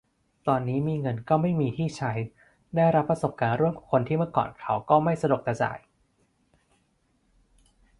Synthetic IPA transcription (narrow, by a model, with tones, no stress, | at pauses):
t̪ɔː˧nːiː˦˥miː˧ŋɤ˧nkɔː˥˩ma˥˩jmiː˧t̪ʰiː˥˩t͡ɕʰa˦˥j | da˥˩jɾa˦˥pːɾa˧so˨˩p̚kaː˧nɾu˥˩əmkʰːŋkʰo˧nt̪ʰiː˥˩mɯ˥˩əkɔ̰ː˨˩nkʰa˦˥wkɔː˥˩ma˥˩jsa˧du˨˩k̚t̪aː˧˩t͡ɕa̰ː˨˩j